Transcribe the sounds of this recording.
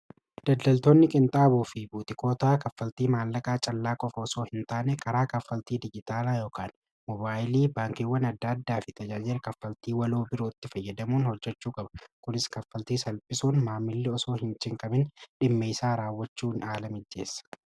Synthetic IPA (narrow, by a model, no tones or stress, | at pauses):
d̪̥ɐd̪ːɐlt̪oːnːɪkʼɪnt̪ʼaːbuːfɪbuːt̪ɪko̞ːt̪aːkɐfːɐlt̪iːmaːlːɐkʼaːt͡ʃʼɐlːaːkʼɔfɐɔsoːhɪnt̪aːnɛkʰɐɾaːkɐfːɐlt̪iːd̪ɪd͡ʒɪt̪aːlaːjoːkaːn | mɔbaːjɪliːbaːŋkɪwːɐnɐd̪ːɐd̪ːaːfɪt̪ʰɐd͡ʒaːd͡ʒɪɾkɐfːɐlt̪iːwɐloːbɪɾoːɪt̪ːɪfɐjːɐd̪ɐmuːnhɔd͡ʒːɛt͡ʃːuːkʼɐbɐ̥kʊnɪskɐfːɐlt̪iːsɐlpʼɪsuːnmaːmːɪlːɪɔso̞ːhɪnt͡ʃɪŋkʼɐbɪnᶑɪmːeːsaːɾaːwːɐt͡ʃːuːnaːlɐmɪd̪ːe̞̰ːsːɐ̥